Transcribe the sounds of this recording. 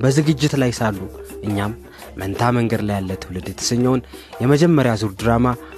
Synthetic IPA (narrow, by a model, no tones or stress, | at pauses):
bəzɨɡɨd͡ʒːɪt̪lajsalːuʔɨɲːamː | ənt̪ʰaməŋɡəd̪lajalːət̪hulɨd̪t̪ʰɨ̥səɲːɛwnjɛməd͡ʒɛmːəɾjazuɾd̪ɨɾama